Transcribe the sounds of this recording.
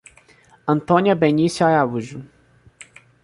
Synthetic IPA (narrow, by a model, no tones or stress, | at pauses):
ɐ̃nt̪õniɐbenisuaauʒu